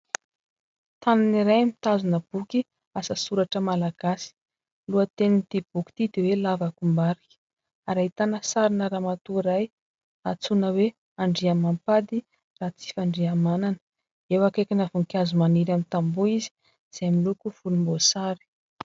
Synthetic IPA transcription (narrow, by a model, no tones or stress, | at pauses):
t̪ananiɾajmit̪azunəb̥uki | asəsuɾaʈ͡ʂəmalaɡ̥asi̥ | luət̪enint̪ib̥uki̥t̪id̪ewelavakumbaɾiki̥ | aɾait̪anəsaɾinəɾaːmat̪uiɾaj | at͡sunəwe | aɳɖ͡ʐiamampad̪i | raːt͡si̥faɳɖ͡ʐiamananə̥ | ewakakʲinavuŋkjazumaniɾamint̪ambuizi̥ | z̥amilukuv̥ulumbosaɾi̥